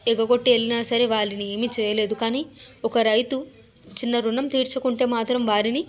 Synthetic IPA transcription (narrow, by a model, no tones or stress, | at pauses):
ɛɡɐɡo̞ʈːielːinɐsɐɾeʋaːɭinie̞ːmit͡ʃɛːjɐle̞ːd̪ukaːniːɔkɐɾɐjt̪u | t͡ʃinːɐɾunɐmt̪iːɾt͡ʃukuɳʈe̞ːmaːt̪ɾɐmʋaːɾini